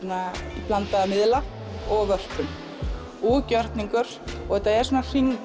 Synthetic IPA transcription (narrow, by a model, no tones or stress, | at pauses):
naipʰlant̪aamɪðla | ɔɣvœr̥pʏm | uːcœɾ̥t̪niŋkʏɾ̥ | ɔɣɛt̪aɛɾ̥suːnar̥iŋ